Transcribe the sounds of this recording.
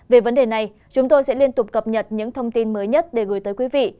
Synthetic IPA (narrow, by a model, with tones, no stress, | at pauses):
ve˨˩və˨˦nɗe˨˩na˨˩j | t͡ɕʊ˨˦ŋ͡mt̪o˧jsɛ̰˧˥li˧ənt̪ʊ˨˩k͡p̚kə˨˩p̚ɲə˨˩t̚ɲɨ̰˧˥ŋt̪ʰə˧wŋ͡mt̪i˧nməː˨˦jɲə˦˥t̚ɗe˧˩ɣɨ˨˦jt̪əː˨˦jkwi˨˦vḭ˧˨